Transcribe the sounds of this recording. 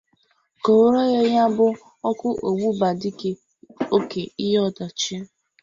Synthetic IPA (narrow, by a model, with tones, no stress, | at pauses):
ko˨˦ɾɔ˦ɣɔ˦ja˦bʊ˦ | ɔ˦kʊ˦ʔo˨ɡ͡bu˦ba˨dɪ˦ke˦ | o˦ke˨i˦ɦɔ˦da˨t͡ʃi˦